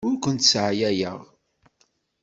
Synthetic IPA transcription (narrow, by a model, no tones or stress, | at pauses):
ʊɾkʷənt̪sʕjæjə̰ʁ